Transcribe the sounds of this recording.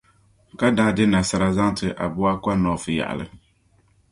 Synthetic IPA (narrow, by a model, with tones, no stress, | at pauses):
ka˦daː˦dɪ˦na˨sa˨ɾa˦za˦ŋ˦tɨ˨ʔa̰˨bʊ˦a˦kʷa˦nɔː˨fɨ˨ja̰˨ʔa̰˨lɨ̰˦